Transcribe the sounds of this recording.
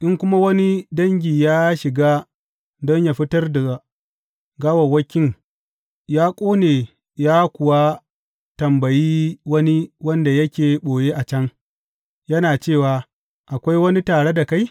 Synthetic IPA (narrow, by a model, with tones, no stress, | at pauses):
ʔɪ˦ŋkʷʊ˦ma˦wɐ˦ni˦dɐ˦ŋɡʲiː˨jaː˦ʃɪ˨ɡaː˦ | dɔ˦ɲjaː˨ɸɪ˦tɐ˦rda˨ɡa˨ | ɡaː˦wɐ˨wɐ˦kʲːɪ˦ŋ | jaː˦kʷʼoː˦neː˨ | jaː˦kʷʊ˨wa˦ | tɐ˨mbɐ˨jiː˦wɐ˦ni˦wɐ˦nda˨jɐ˦kʲeː˨ɓoː˨jeː˦ʔa˨t͡ʃɐ˦ŋ | jɐ˦naː˨t͡ʃeː˦˨waː˨ | ʔa˨kʷa˦jwɐ˦ni˦taː˨ɽe˦da˨ka˦j